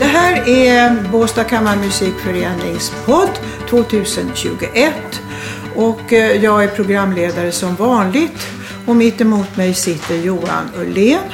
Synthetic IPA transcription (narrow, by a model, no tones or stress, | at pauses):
d̪̥ɛɦæːɾæboːst̪akʰamːaɾmʏsiːkfœɾeːnɪŋspʰɔd̪ː | t̪ʰvoːt̪ʰʉ̟ːsənɕʉ̟ːɡʊʔɛt̪ː | ɔkjɑːɡæɾpʰɾʊɡɾamːleːd̪aɾəsɔmvɑːnlɪɡt̪ | ɔmɪt̪ːɪmuːt̪mɛjsɪt̪ːəɾjuːa̰nɵleːn